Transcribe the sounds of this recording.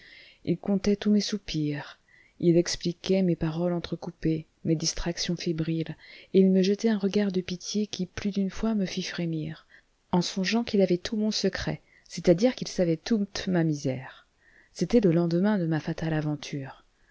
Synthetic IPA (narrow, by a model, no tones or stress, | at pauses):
ḭlkɔ̃t̪ɛt̪umesupiʁ | ilɛksplikʲɛmepaʁɔlɑ̃t̪χəkupe | med̪ist̪χaksjɔ̃febʁileilməʒət̪ɛɛ̃ʁəɡaʁd̪əpit̪jekʲiplyd̪ynfwaməfifχemiʁ | ɑ̃sɔ̃ʒɑ̃kilavɛt̪ʰumɔ̃səkχɛ̰ | set̪ad̪iʁkilsavɛt̪ut̪mamizɛʁ | set̪ɛləlɑ̃d̪mɛ̃d̪əmafat̪alavɑ̃t̪ʰyːʁ